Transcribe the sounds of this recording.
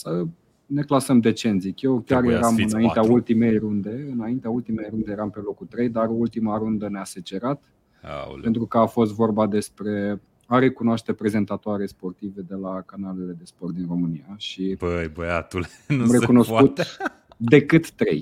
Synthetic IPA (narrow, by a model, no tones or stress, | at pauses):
sə | ne̞klasəmd̪e̞t͡ʃe̞nzikʲjewkʲjarjeɾamɨnaint̪eault̪ime̞jrund̪e̞ɨnaint̪eault̪imejɾund̪e̞jeɾampe̞lo̞kut̪ɾe̞jd̪arult̪imaɾund̪ənease̞t͡ʃe̞ɾat̪ | pent̪ɾukəafo̞s̬t̪vo̞rbad̪e̞spɾe̞ | aɾe̞kunoaʃt̪e̞pɾe̞ze̞nt̪at̪oaɾespo̞rt̪ive̞d̪e̞lakanale̞le̞d̪e̞sport̪̚d̪inro̞mɨniaʃibəjbəjat̪uleamɾe̞kuno̞skut̪ | d̪e̞kɨt̪ːɾe̞̰j